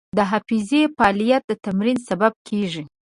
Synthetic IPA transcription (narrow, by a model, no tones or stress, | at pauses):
d̪əɦafizefɑlijat̪̚d̪ət̪amɾinsabab̚kʰeʒi